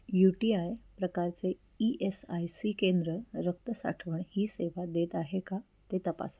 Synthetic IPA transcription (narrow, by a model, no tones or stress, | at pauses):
juʈiajpɾəkaɾt͡se | iʔesajsikend̪ɾəɾək̚t̪əsa̰ʈʰʋəɳhiːseʋad̪et̪aɦeka | t̪et̪əpa̰s